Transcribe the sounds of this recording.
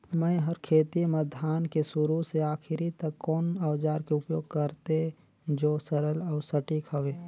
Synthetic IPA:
mə̃ĩɦəɾkʰeːt̪iməd̪ʱjaːnkesʊɾuseaːkʰɪɾit̪ɐkːɔːnaːʋd͡ʒaːɾkeʊpjoːɡ̚kəɾt̪e | d͡ʒoːsəɾəlɔːɾsəʈikəʋeː

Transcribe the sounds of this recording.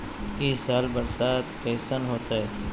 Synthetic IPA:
iːsaːlbəɾsaːt̪keːsənɦoːt̪aːɦɛː

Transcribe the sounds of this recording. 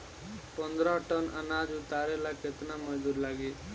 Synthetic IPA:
pənd̪ɾɔ̃ʈənənaːd͡ʒʊt̪aːɾelakɪt̪naməd͡ʒd̪uːɾlaːɡiː

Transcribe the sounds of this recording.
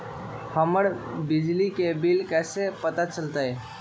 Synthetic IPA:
həməɾbid͡ʒlikebilkɛsepət̪at͡ʃəlt̪əj

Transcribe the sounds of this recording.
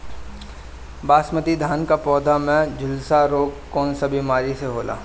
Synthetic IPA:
baːsmət̪id̪ʱaːnkapɔːd̪ʱamɛ̃d͡ʒʊlsaɾoːɡkɔːnsabimaːɾiseɦoːla̰ː

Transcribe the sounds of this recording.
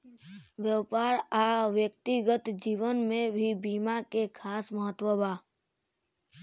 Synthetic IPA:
ʋjəpaːɾaʋjək̚t̪iɡət̪d͡ʒiːʋənmẽbʱibiːmakekʰaːsməɦət̪wəbaː

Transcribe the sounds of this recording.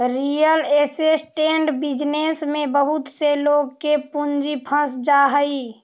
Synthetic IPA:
ɾijəleːsesʈeɳɖbɪd͡ʒnesmẽbəɦʊt̪seloɡkepund͡ʒipʰə̃sd͡ʒaɦəi

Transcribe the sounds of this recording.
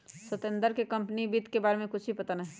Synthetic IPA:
sɐt̪ə̃nd̪əɾkekɐ̃mpənibiːt̪kebaːɾemẽkʊt͡ʃʰbʱipɐt̪anəɦ

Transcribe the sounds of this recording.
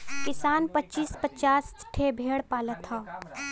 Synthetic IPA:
kɪsaːnpətːt͡ʃiːspət͡ʃaːsʈʰebʱeːɽpaːlət̪ʰhaː

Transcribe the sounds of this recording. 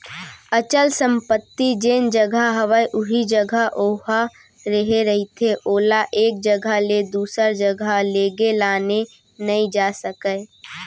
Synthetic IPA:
ət͡ʃəlsə̃mpət̪ːid͡ʒeːnd͡ʒəɡʱəɦəʋəjʔʊɦid͡ʒəɡʱəʔoːɦa | ɾəɦeɾəɦit̪ʰeʔoːlaʔeːk̚d͡ʒəɡʱəled̪uːsəɾd͡ʒəɡʱaleːɡelaːne | nəĩd͡ʒasəkə

